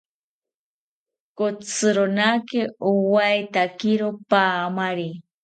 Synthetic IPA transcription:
kot͡sʰɨɾonakɪowajt̪akiɾopaːmaɾi

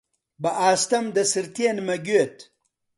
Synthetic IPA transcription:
bɐʔaːst̪ɐmd̪ɐsiɾt̪eːnmɐɡwet̪

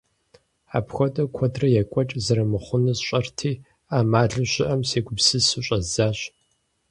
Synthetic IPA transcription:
a̰ːpxʷɔtʼɐkʷʰɔdrɐjɛkʷʼɔt͡ʃʼzɐɾɐmɨχʷʊnɨzɕʼɐrtʰiː | aːmaːɮɨɕɪʔɐmseːɡʷʊbsɨsɨɕʷʼɐzaːɕ

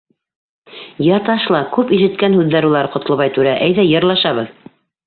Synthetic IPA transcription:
jɑt̪ɑʃlˠɑkʉpiʃɘ̆t̪kænhʉðːæɾulˠɑɾqŏt̪ɤ̆lˠβɑjt̪ʉɾæʔæjðæjɤ̆ɾlˠɑʃɑβɤð

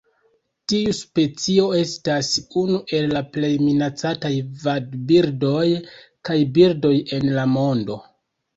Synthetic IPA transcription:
tiuspe̞t͡sio̞e̞stasunuʔe̞lːaple̞jminat͡satajvadbiɾdo̞jkajbiɾdo̞je̞nlamo̞ndo̞

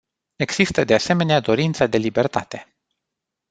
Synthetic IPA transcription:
e̞ɡz̥ist̪əd̪e̞ase̞me̞nead̪o̞ɾint̪səd̪e̞libe̞rt̪at̪e̞

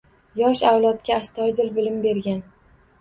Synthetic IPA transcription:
jɒʃawlˠɒt̪kʲaːst̪ʰɒjd̪ɪlbɪlɪmbe̞ɾɡʲan

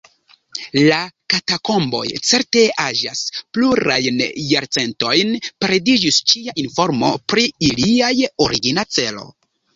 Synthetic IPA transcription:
lakatako̞mbo̞̰jt͡se̞ɾte̞aʒa̰spluɾajnjaɾt͡se̞nto̞jnpɾedid͡ʒist͡ʃiaʔinfo̞ɾmo̞pɾiiliajoɾiɡinat͡se̞lo̞̰

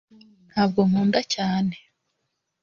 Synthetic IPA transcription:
n̥haːb̚ɡo̞m̥uːndacaːne̞

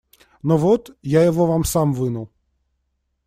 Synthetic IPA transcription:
nɔʋɔt̪jajɔʋɔʋamsɑmʋɪnʊw

